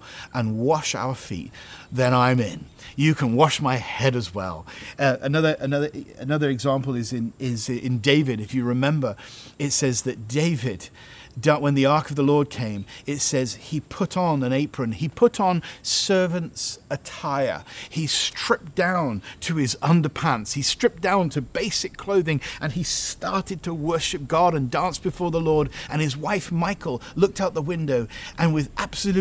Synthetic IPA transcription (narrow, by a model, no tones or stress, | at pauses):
ʔə̃nwɑʃa̰ʊə˞fḭt̪̚ðɨ̃ɾ̃ãɪ̃mɪ̃n | jɨkʰə̃nwɑʃmaɪhɛɾɨzwɛ̰lˠʔɨnʌðə˞ʔɨnʌðə˞ɨ̰nʌðə˞ɨɡzæ̃mpl̩ˠɨzɨ̃nɪzɪ̃ndeɪvɨɾɨfjɨɹɨmɛ̃mbə˞ɨtsɛzðɨt̚d̥eɪvɪd | dʌwə̃nðiɑɹkʌvðəlɔɹd̚kʰẽɪ̃mɨtsɛz̥ipʰʊɾn̩ɨ̃neɪpʰɹ̥ɨ̃nipʰʊɾn̩sɜ˞vɨ̃ntsɨtʰaɪə̰˞istɹ̥ɪp̚d̥ãʊ̃ntʰɨɪzʌ̃ndə˞pʰæ̃nshistɹ̥ɪp̚d̥ãʊ̃ntʰɨbeɪsɨkʰl̥oʊðɪ̃ŋʔɨ̃nistɑɹɾɨd̚tʰəwɜ˞ʃɨp̚ɡ̥ɑɾɨ̃ndæ̃nsb̥ɨfɔɹðəlɔɹɾɨ̃nɨzwaɪfmaɪkʰl̩ˠlʊk̚taʊt̪̚ðəwɪ̃ndoʊʔɨ̃nwɨðʔæb̥sɨlʉ